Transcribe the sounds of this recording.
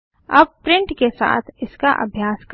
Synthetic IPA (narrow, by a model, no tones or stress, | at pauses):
ɐb̚pɾɪ̃ɳʈkesa̰ːt̪ʰɪska̰ʔɐ̰bʱjaːsk